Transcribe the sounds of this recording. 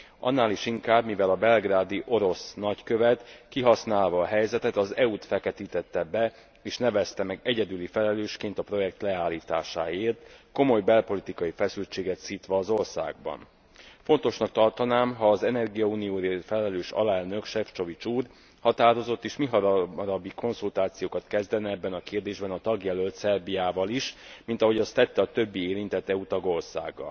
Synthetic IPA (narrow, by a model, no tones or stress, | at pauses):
ɒ̰nːaːliʃiŋkaːbmivɛlɒbɛlɡraːd̪iʔo̞ɾo̞snɒckøvɛt̪kiɦɒsnaːlvɒːɦɛjzɛt̪ɛt̪ɒzɛut̪fɛkɛt̪iːt̪ɛt̪ːɛbɛ | eːʃnɛvɛst̪ɛmɛɡɛɟɛd̪ylifɛlɛløːʃkeːnt̪ɒpro̞jɛkt̪lɛaːlːiːt̪aːʃa̰ːeːrt̪ko̞mo̞jbɛlpo̞lit̪ikɒjifɛsylt͡ʃeːɡɛt̪siːt̪ʋɒːzo̞rsa̰ːɡ̚bɒ̰n | fo̞nt̪o̞ʃnɒk̚t̪ɒrt̪ɒnaːmɦɒːzɛnɛrɡijɒuːnijoːɾefɛlɛløːʃɒ̰lɛlnø̞kʃɛft͡ʃo̞vit͡ʃuːr | hɒt̪aːɾo̞zo̞t̪ːeːʃmiɦɒɾɾɒbːiko̞nzult̪aːt̪sijoːkɒt̪kɛzd̪ɛnɛɛbːɛnɒkeːrd̪eːʒbɛnɒt̪ɒɡjɛlølt̪sɛrbijaːvɒliʃmint̪ɒɦo̞ɟɒst̪ːɛt̪ːɛɒt̪ø̞bːieːɾint̪ɛt̪ːɛut̪ɒɡo̞rsa̰ːɡːɒ̰l